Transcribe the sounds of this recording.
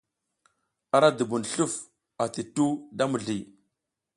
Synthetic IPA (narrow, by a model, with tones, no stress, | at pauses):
a˨ɾa˦du˨bu˨nɬu˦˨f | a˨ti˨tu˦da˦mu˨ɮi˨